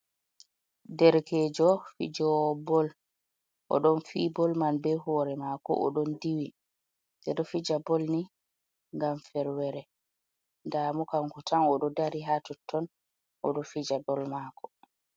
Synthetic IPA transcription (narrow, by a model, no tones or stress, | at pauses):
dɛɾkʰɛːd͡ʒɔfḭd͡ʒɔbɔl | ʔɔ̰ɗɔnfiːbɔlmanbɛhɔːɾɛmakɔ̰ʔɔ̰ɗɔndiwi | dɛɗɔfid͡ʒabɔlni | ŋɡamfɛɾwɛɾɛ | ndaːmukaŋkɔtʰanɔɗɔdaɾiɦatɔtʰːɔn | ʔɔ̰ɗɔfid͡ʒabɔlmaːkɔ̥